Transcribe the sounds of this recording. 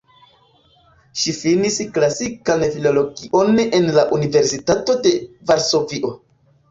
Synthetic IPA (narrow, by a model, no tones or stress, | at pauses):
ʃifinisklasikanfilo̞lo̞ɡiʔo̞nenlaʔunive̞ɾsitato̞de̞vaɾso̞viʔo̞